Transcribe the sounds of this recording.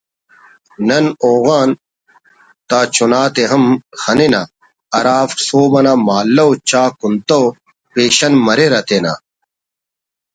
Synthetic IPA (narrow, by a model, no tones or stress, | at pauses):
nɐnoːɣaːn | t̪aːt͡ɕunaːt̪eɦɐmxɐnina | ɐɾaːfsoːbɐnamaːlːɐwt͡ɕaːkunt̪ɐw | peːɕɐnmɐɾeɾɐt̪ena̰ː